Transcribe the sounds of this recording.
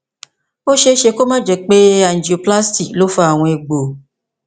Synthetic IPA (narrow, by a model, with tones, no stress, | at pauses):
o˦ʃe˧˦ʃe˧ko˦mã˦d͡ʒɛ˨k͡pe˦a˦˨n̩˨d͡ʒi˨o˧pla˦sti˨klo˨˦fa˦a˨w̃ɔ̃˧e˧ɡ͡bo˨